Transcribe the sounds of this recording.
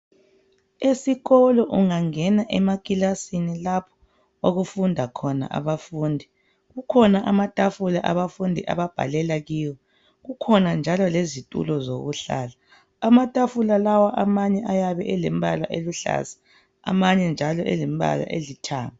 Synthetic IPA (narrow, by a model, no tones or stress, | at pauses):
esiɣɔlɔʔuŋaŋɛnaʔɛmakʼilasinilapʰɔ̥ | oɣufundʱakʰɔna̰ʔa̰βafuːndʱi | ɣukʰɔnaʔamatʼafulaʔaβafundʱḭʔa̰βab̥ʱa̰lɛlaɣiːwɔ | ɣukʰɔnand͡ʒʱalɔlezitʼṵlɔzoɣuɬa̰laː | matʼafulalawaʔamaɲɛʔajaβɛʔɛlɛmbʱala̰ʔeluɬa̰zḁ̰ː | maɲɛnd͡ʒʱalɔʔɛ̰limbʱa̰la̰ʔḛlitʰa̰ːma